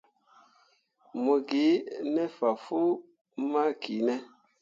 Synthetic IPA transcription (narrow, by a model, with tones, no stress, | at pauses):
mu˨ɡi˨˦nɛ˦fa˨fu˦ | ma˦kʰi˨˦nɛ˦